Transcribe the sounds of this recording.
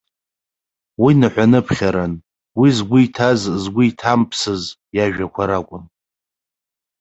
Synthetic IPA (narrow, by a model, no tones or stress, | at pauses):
winaħʷᶣanɨpʰχʲaɾan | wizɡʷʊjtʰazzɡʷʊitʰampʰsɨz | jaʒᶣakʷʰaɾakʷʼʊm